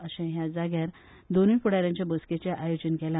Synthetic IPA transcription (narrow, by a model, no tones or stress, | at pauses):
əɕɛ̃ɦjad͡zaɡjaɾ | d̪oniːpuɽaɾjãɲt͡ɕjabəsket͡ɕeʔajod͡ʑənkɛla